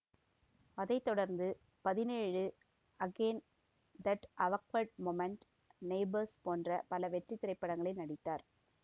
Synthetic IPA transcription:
ɐðɐɪt̪ːɔɽɐɾnd̪ɯ | pɐðɪneːɻɯ | ɐɡeːn | d̪ɐʈʔɐʋɐkʋɐɾɖmoːmɛɳʈ | neɪbɐɾspoːndrɐpɐlɐʋɛʈrɪt̪ːɪɾɐɪpːɐɽɐŋɡɐɭɐɪnɐɽɪt̪ːaːɾ

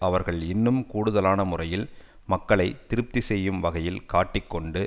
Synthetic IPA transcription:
ɐʋɐɾɣɐɭɪnːɯmkuːɽʊðɐlaːnɐmʊrɐjɪl | mɐkːɐɭɐɪtt̪ɪɾɯp̚t̪isɛjːɯmʋɐɣɐjɪlkaːʈːɪkːɔɳɖɯ

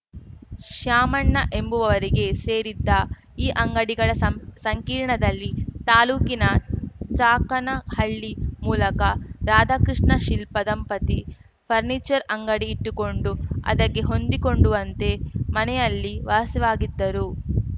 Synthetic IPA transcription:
ʂjaːmɐɳːɐʔe̞mbuʋɐʋɐɾiɡe̞se̞ːɾid̪ːɐ | iːʔɐŋɡɐɽiɡɐɭɐsɐŋkiːɾɳɐd̪ɐlːit̪aːluːkinɐt͡ʃaːkɐnɐhɐɭːimuːlɐkɐɾaːd̪aːkɾiʂɳɐʃilpɐd̪ɐmpɐt̪i | pʰɐɾniːt͡ʃɐɾɐŋɡɐɽiːʈːuko̞ɳɖuɐ̰d̪ɐkːe̞ɦo̞nd̪iko̞ɳɖuʋɐnt̪e̞mɐnɛjɐlːiʋaːsiʋaːɡid̪ːɐɾu

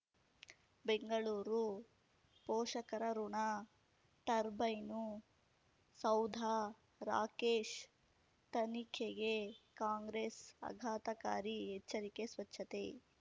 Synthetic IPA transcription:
beŋɡɐɭuːɾu | pɔːʂɐkɐɾɐɾuɳa | ʈɐɾbɐjnu | sɐwd̪ʱa | ɾa̰ːkeːʂ | t̪ɐnikʰeɡekaːŋɡɾesɐ̰ɡʱaːt̪ɐka̰ːɾiɦet͡ʃːɐɾikesʋɐt͡ʃʰːɐt̪e

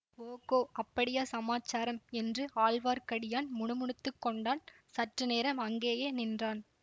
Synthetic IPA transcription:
oːkoːʔɐpːɐɽɪjaːsɐmaːt͡ʃːaːɾɐmɛndrɯaːlʋaːɾkɐɽɪjaːnmʊɳʊmʊɳɯt̪ːɯkːɔɳɖaːn | sɐʈrɯneːɾɐmɐŋɡeːjeːnɪndraːn

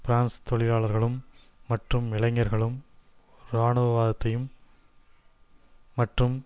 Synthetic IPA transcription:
pɪɾaːnst̪ɔɭɪlaːɭɐɾɣɐɭɯmː | ɐʈrɯmɪɭɐŋːɐɾɣɐɭɯm | ɾaːɳɯʋɐʋaːðɐt̪ːɐjɯm | ɐʈrɯm

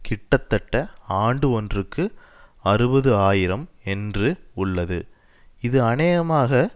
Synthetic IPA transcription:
kɪʈːɐt̪ːɐʈːɐaːɳɖɯɔndrɯkːɯɐɾɯbɐðɯaːjɪɾɐmɛndrɯʊɭːɐðɯ̰ | ɪðɯɐnɐjɐmaːɣɐ

